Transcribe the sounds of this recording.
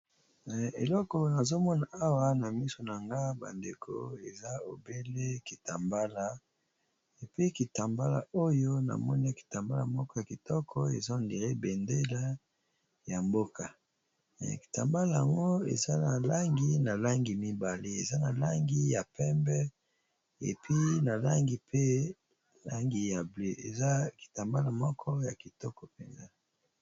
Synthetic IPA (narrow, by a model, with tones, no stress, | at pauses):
ḛ˨lɔ˦kɔ˨na˨zo˦mɔ˦na˨a˦wa˦na˨mi˦so˨na˨ŋɡa˦ba̰˨ndḛ˨kʰo̰˨e˨za˦o˨be˦le˦ki˨ta˨mba˦la˨ | e˨pi˦ki˨ta˨mba˦la̰˨o˦jo˦na̰˨mɔ˦ni˦ki̥˨ta˨mba˦la̰˨mɔ˦kɔ˦ja˨ki˨tɔ˦kʰɔ̰˦ḛ˨za˦o˨ndi˨ʁe˦bɛ˨nde˦la˦ | ja˨mbo˦ka˨ | mɛ̰˨ki̥˨ta˨mba˦la˦˨ja˨ŋɡo˦ḛ˨za˦na˨la˦ŋɡi˦na˨la˦ŋɡi˨mi˦ba˨le˦e˨za˦na˨la˦ŋɡi˦ja˨pɛ˦mbɛ˦ | ḛ˨pʰi˦na˨la˦ŋɡi˨pe˦ | la˦ŋɡi˨ja˨ble˦ʔḛ˨za˦ki̥˨ta˨mba˦la˨mɔ˦kʰɔ˦ja˨ki˨tɔ˦kɔ˨pɛ˨nza˦